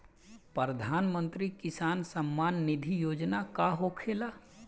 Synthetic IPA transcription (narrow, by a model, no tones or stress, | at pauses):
pəɾəd̪ʱaːnmə̃nt̪ɾikɪsaːnsəmːaːnːɪd̪ʱijoːd͡ʒnakaɦokʰeːlaː